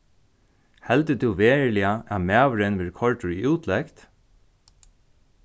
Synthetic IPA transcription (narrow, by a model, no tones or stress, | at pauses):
hɛlt̪ət̪ʰuːʋeːɹlɪaʔæmæːʋəɹənʋɪːɹkʰɔɹʈʊɹiuːt̪ʰlɛkt̪